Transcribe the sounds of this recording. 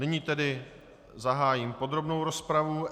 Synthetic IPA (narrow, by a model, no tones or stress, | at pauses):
nɪɲiːt̪ɛdɪ | zaɦaːjiːmpo̞d̪ɾo̞bnowɾo̞spɾavu